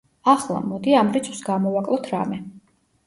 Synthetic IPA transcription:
aχlˠa̰mɔd̪iamɾit̪sʰwsɡamɔvakʼlˠɔt̪ʰɾa̰mɛ

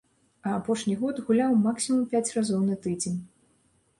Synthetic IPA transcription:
ɐːpɔʂnʲiɣɔd̪ɣulʲawmaksʲimɐmpʲat͡sʲrazɔwnɐt̪ɨd͡zʲenʲ

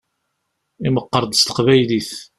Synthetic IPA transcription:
iməqːəɾˤd̪st̪ə̥qvæjliθ

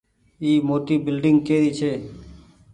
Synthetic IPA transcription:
iːmoːʈ̪iːbɪlɖɪŋɡkeːɾiːt͡ʃʰeː

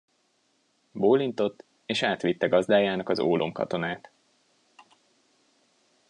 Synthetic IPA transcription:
boːlint̪o̞t̪ː | eːʃaːt̪ʋit̪ːɛɡɒzd̪aːjaːnɒkɒzo̰ːlʔo̰mkɒ̰t̪o̞naːt̪

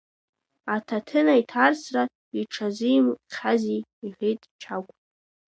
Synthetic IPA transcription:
atʰatʰɨnaitʰarsra | iʈ͡ʂʰazɨjmqʲʰaziːʁʲejtʼt͡ʃʰakʷʼ

